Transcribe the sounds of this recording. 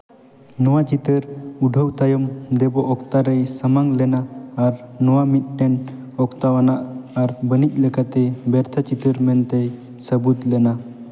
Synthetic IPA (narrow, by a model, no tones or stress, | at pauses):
nɔwat͡ʃit̪əɾuɖʱəwt̪ajɔmd̪ɛbɔʔɔk̚t̪aɾəjsəmaŋlɛnaːɾnɔwamit̪̚ʈɛn | ɔkt̪awanaʔaɾbənic̚ˀləkat̪ɛbɛɾt̪ʰat͡ʃit̪əɾmɛnt̪ej | səbut̪lɛna